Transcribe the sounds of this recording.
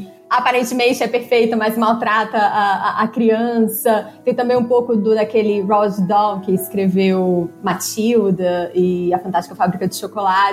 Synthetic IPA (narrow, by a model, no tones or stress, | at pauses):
apaɾẽnt͡ʃɪmẽnt͡ʃɪɛpeɾfejt̪ɐmɐzmawt̪ɾat̪ɐaʔɐkɾiɐ̃sɐt̪ẽj̃t̪ɐ̃mbẽj̃ũpowkʊd̪ʊd̪ɐkelɪɾɔd͡ʒd̪õw̃kɪːskɾevewmat͡ʃiwd̪ɐɪɐfɐ̃t̪ast͡ʃɪ̥ikɐfabɾikɐd͡ʒɪʃokolat͡ʃ